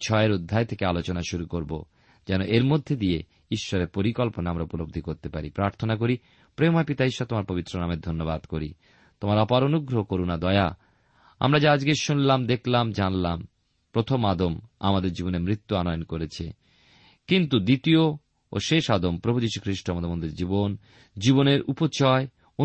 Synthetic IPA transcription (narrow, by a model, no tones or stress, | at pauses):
t͡ɕʰɔeɾud̪ʱːaet̪ʰekealot͡ɕonaʃuɾukoɾbo̰ | d͡ʑɛnoʔeɾmod̪ʱːed̪ie | iʃːɔɾeɾpoɾikɔlponaamɾaupolob̚d̪ʱikoɾt̪epaɾipɾaɾt̪ʰonak̬oɾi | pɾemaepit̪aiʃːɔt̪omaɾpobit̪ːɾonameɾd̪ʱonːobad̪koɾi | t̪omaɾɔpaɾonuɡɾoɦokoɾunad̪ɔea | a̰mɾad͡ʑaad͡ʑɡeʃunlamd̪ekʰlamd͡ʑanlam | pɾot̪ʰomad̪oma̰mad̪eɾd͡ʑiboneɾmɾit̪ːuanɔjonkoɾet͡ɕʰe | kint̪ud̪it̪io | o̰ʃeʃad̪ompɾobʱud͡ʑiʃukʰɾiʃʈoamɔot̪ʰabond̪ɾiɾd͡ʑibon | d͡ʑiboneɾupot͡ɕɔe | o